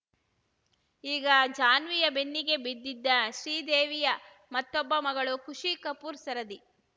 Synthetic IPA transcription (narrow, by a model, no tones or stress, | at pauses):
iːɡɐd͡ʒaːnʋijɐbenːiɡe̞bid̪ːid̪ːɐʃɾiːd̪eːʋijɐ | mɐt̪ːɔbːɐmɐɡɐɭukuʂikɐpuːɾsɐɾɐd̪i